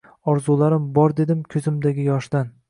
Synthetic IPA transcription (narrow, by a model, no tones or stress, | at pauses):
ɒɾzulˠaɾɪmbɒɾd̪e̞d̪ɪmkʲʰɵzɪmd̪aɡʲɪjɒʃd̪̥an